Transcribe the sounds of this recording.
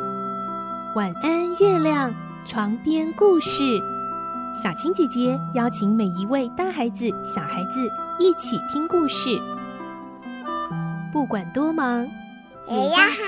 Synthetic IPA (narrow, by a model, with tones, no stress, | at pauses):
wa˨˩na˥nɥɛ˥˧ljɑ˥˩ŋ | ʈ͡ʂʰwɑ˧˥ŋpjɛ˥nku˥˧ʂɻ̩˥˩ | ɕɑ˨˩t͡ɕʰi˧˥ŋt͡ɕjɛ˨˩t͡ɕjɛ˧˥jɑ˥˩ʊt͡ɕʰi˧˥ŋme˨˩ɪi˧˥we˥˩ɪt̪a˥xa˧˥ɪd͡zɹ̩˨ɕjɑ˨˩ʊxa˧˥ɪd͡zɹ̩˧i˥˩t͡ɕʰi˨˩t̪ʰi˥ŋku˥˧ʂɻ̩˥˩ | pu˥˩kwa˨˩nt̪wɔ˥mɑ˧˥ŋ˨˩˥